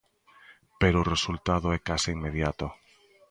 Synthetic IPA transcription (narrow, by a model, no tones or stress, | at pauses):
peɾoːresult̪aðoɛkasiiŋmeðjat̪o